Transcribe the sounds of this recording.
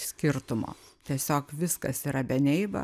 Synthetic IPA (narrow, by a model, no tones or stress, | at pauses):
sʲkʲɪrt̪ʊmo̰ːt̪ʲiɛsʲoːkʋʲɪskɐsiːɾɐbʲɛnʲɛɪbɐ̰